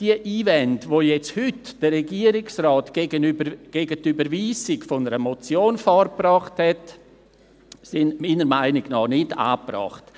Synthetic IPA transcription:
d̥iəʔiːvɛndvojɛt͡sthʏtd̥ərɛɡiəɾɪksrɑːtɡ̥eɡənybɡ̥eːɡətybəɾviːsɪɡfonəɾəmot͡sjoːnfɔrprɑːχthɛt | sɪnmiːnəɾmaɪnɪɡnɑːnɪta̰ːprɑ̰ːχt

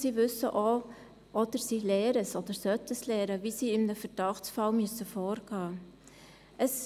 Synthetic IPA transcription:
siːvʏsə̰ʔo | ʔɔdəɾsiːlɛːɾəsɔdəɾsœtəslɛːɾəvisiːɪmnəfəɾd̥ɑχtsfɑlmyəsəfɔːɾɡ̥ɑː | ʔəs

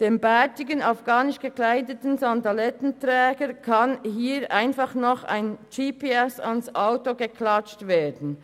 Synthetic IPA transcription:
d̥eːmbatɪɡənafɡ̥aːnɪʃɡ̥əklaɪdətn̩zandalɛtn̩tʁɛːɡəɾkʰanhiːɾʔaɪnfaχnɔχa̰ɪnt͡ʃiːpʰeɛsansʔaʊtoɡəkʰlat͡ʃtveːdn̩

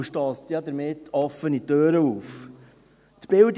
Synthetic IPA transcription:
ʃtɑːstiɑd̪əɾmɪt̪ːɔfənit̪øːɾəuːf | t̪b̥ɪld

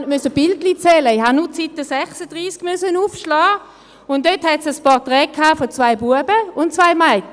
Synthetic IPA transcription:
mysəb̥ɪltlit͡sɛləɪhannut͡sitːəsɛχsəd̥ʁiːsɡ̥mœsənuːfʃlɑː | ʊndøthɛtsəspɔʁtʁɛːkʰaːfɔt͡svaɪbuəbəʊntt͡svaɪmaɪ

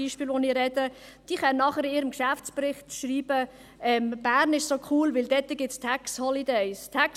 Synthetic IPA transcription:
iːʃpiːlʋoniɾɛdə | d̥iːχɛnnɑχəɾiːɾəmkʃæft͡spɾɪχtʃɾiːb̥ə | ɛmb̥æːɾnɪʃsokʰuːlʋɪld̥ɛt̪ːəɡ̥ɪtt͡stʰɛkshɔlid̪ɛɪstʰɛk

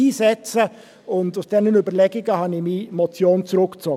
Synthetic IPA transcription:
iːsɛt͡sə | ʊndʊsd̥ɛnənybəlɛɡɪɡəhɑnɪmimɔt͡sjoːnt͡sɾʊkt͡sɔ

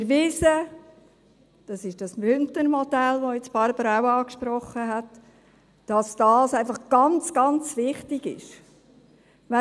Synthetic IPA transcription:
ɪɾʋɪsə | d̥ɑsɪʃd̥ɑsmʏntənmɔd̥ɛlʋojɛt͡sb̥ɑɾbəɾawɑːkʃpɾɔχːəɦæt | d̥ɑsd̥ɑːsæɪfɑχɡ̥ɑnt͡sɡ̥ɑnt͡sʋɪχtɪɡ̥ɪ̰ʃ | ʋɛ

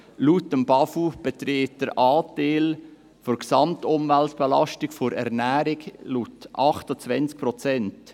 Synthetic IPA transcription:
lutəmbɑfub̥ɛt̪ɾeːt̚d̥əɾɑːteːl | fʊɾksɑmtʊmvæltb̥ɛlɑʃtɪkfʊɾɛ̰ɾnæːɾɪklutʔɑχtət͡svɛnt͡sk̚pɾɔt͡sɛnt

